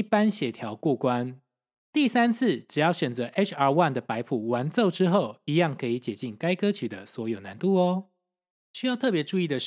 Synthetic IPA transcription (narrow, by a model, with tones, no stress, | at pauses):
i˥˩pa˦nɕjɛ˨˩t̪ʰjɑ˨˦ʊkwɔ˥˩kwa˦n | t̪i˥˨sa˦˥nt͡s̩ʰ˥˨ʈ͡ʂɻ̩˨˩jɑ˥˩ʊɕɥɛ˨˩nt͡sɤ˧˦ʔe˥t͡ʃʰə˥˧wa˥˨nd̪ə˩pa˧˥ɪpʰu˨˩wa˧˦nt͡so˥˨ʊʈ͡ʂɻ̩˥xo˥˨ʊi˧˥jɑ˥˩ŋkʰɤ˧˥i˨˩t͡ɕjɛ˨˩t͡ɕi˥˩ŋka˥ɪkɤ˦t͡ɕʰy˨˩d̪ə˦swɔ˧˥jo˨˩ʊna˧˦nt̪u˥˩ɔ˩ | ɕy˥jɑ˥˧ʊt̪ʰɤ˥˩pjɛ˧˥ʈ͡ʂu˥˧i˥˩d̪ə˨